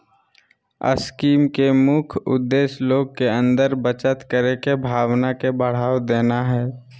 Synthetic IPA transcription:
ə̰skiːmkemʊkʰʊ̰d̪ːeːʃloːɡ̚keə̃nd̪əɾbət͡ʃət̪kəɾekebʱaːwnakebəɽ̤aːwd̪eːnaɦɛː

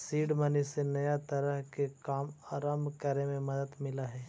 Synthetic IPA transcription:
siːɖmənisenɐjat̪ɐɾəɦkekaːmaːɾaːmkəɾemẽmɐd̪əd̪mɪlaɦɛː

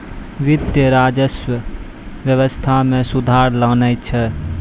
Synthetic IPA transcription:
ʋɪd̪jəɾaːd͡ʒəswə | ʋjəʋəst̪ʰamẽsud̪ʱaːɾləːnət͡ʃʰɛ

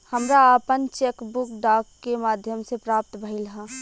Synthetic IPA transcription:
həmɾaəpənt͡ʃeːkbʊkɖaːkːemaːd̪ʱjəmsepɾaːp̚t̪bʱəilɦa

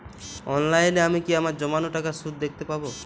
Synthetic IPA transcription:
ɔnlajneamikiamaɾd͡ʒɔmanoʈakasut̪̚d̪ekʰt̪epabo

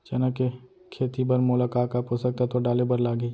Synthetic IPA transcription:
t͡ʃɐnəke | kʰeːt̪ibɐɾmʊlakaːkaposək̚t̪at̪oɖaːlebəɾlaːɡəi

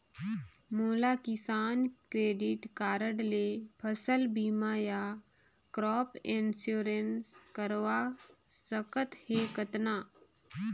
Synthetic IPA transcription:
moːlakɪsaːnkɾeːɖiʈkaːɾəɽlepʰəsəlbiːmaja | kɾɔːpʰensjuːɾenskəɾʋasəkət̪hekət̪na

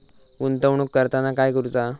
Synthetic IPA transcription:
unt̪əʋɳ̃ukːəɾt̪anakajkəɾut͡sa

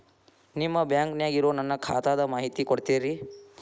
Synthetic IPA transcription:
nimːɐbjaːŋknjaːɡiɾoːnɐnːɐkʰa̰ːt̪aːd̪ɐmaːɦit̪ikoɽt̪iːɾi

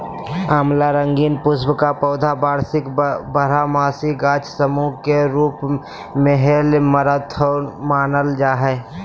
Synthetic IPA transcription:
aːmlaɾə̃ŋɡiːnpʊsbkapɔːd̪ʱabaːɾsɪkbəɾamaːsiɡaːt͡ʃʰsəmukeɾuːp | meɦelməɾət̪ʰomaːnəld͡ʒaːɦɛː

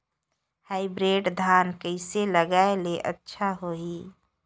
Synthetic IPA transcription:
haːɪbɾeːɖd̪ʱaːnkəɪseləɡaeleʔə̰tːʃʰaɦoi

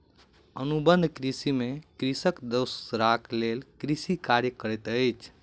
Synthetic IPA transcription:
ənubənd̪ʱkɾisimekɾisəkd̪əwsɾaklelkɾisikaɾjəkəɾɛt̪əjt͡ʃʰ

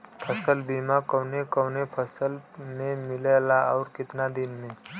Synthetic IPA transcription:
pʰəsəlbimakəwnekəwnepʰəsəlmẽmɪlelaɔʊɾkɪt̪nad̪inmẽ

